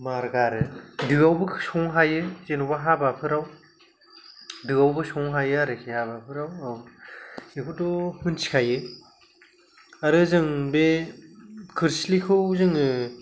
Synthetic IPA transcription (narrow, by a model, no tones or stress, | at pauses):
maɾɡaɾɯdɯawbɯsɔŋɦajɯzenubaɦabapʰɯɾaw | dɯɡawbɯsɔŋɦajɯaɾɯkʰihabapʰɯɾawaw | ikʰudɔhɯnt͡ʃʰi̥kʰajɯ | aɾɯzɯŋbe | kʰɯɾslikʰɯwzɯŋɯ